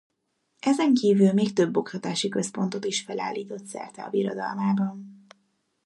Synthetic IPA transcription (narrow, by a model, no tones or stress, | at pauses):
ʔɛzɛŋkiːvylmeːk̚t̪øbːo̞kt̪ɒt̪aːʃikø̞spo̞nt̪o̞t̪iʃfɛla̰ːlːiːt̪o̞t̪sɛ̰rt̪ɛɒ̰viɾo̰d̪ɒ̰lmaːbɒn